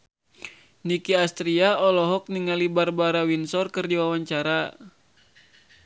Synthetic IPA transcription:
nikiast̪ɾiaɔlɔɦɔk̚niŋalibarbaɾawinsɔrkɨrd͡ʒiwawaɲt͡ʃaɾa

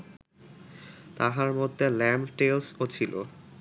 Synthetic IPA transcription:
t̪aɦaɾmod̪ʱːelɛmʈelsot͡ɕʰilʔo̰

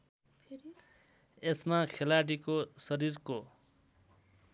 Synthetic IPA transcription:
esmakʰelaɽikosʌɾiɾko

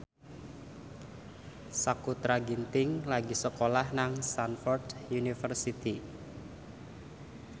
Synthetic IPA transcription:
sakut̪ɾaɡint̪ɪŋlaɡisəkolahnaŋsanfɔrdjunifərsit̪i

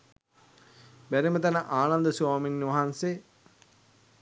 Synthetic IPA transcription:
bæɾimət̪anəʔaːnand̪əsuwaːminːʋɐɦanse

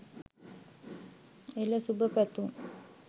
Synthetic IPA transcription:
eləsubəpæt̪uŋ

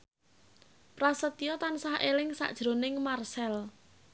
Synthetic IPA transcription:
pɾasət̪iɔt̪ansahʔelɪŋsa̰ʔd̥ʒ̥ɾonɪŋmarsɛl

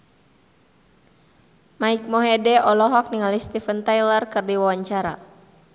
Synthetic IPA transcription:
maik̚mɔɦedɛɔlɔɦɔk̚niŋalist̪ifənt̪ajlərkɨrdiwawaɲt͡ʃaɾa̰

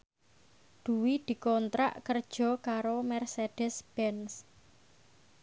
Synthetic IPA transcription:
d̪̥ṳwid̪̥i̤kɔnt̪ɾa̰ʔkərd̥ʒ̥ɔ̤kaɾomɛrseɖ̥ɛsb̥ɛns

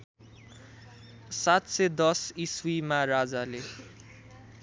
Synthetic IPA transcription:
sat̪sed̪ʌsiswimaɾad͡zale

